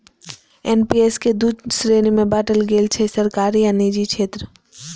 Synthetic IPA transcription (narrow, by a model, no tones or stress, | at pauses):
enpiesked̪ud̪sɾeːnimẽbaːʈəlɡeːlt͡ʃʰesəɾkaːɾijanid͡ʒikʃʰeːt̪ɾə